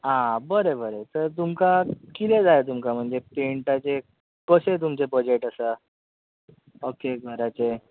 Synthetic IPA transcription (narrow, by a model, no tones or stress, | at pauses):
ɦãbəɾebəɾet̪əɾt̪umkakit̪ed͡zajet̪̬umkam̤əɳd͡zepeɳʈat͡se | kəset̪̬umt͡sebəd͡ʑeʈəsə | okeɡʱəɾat͡se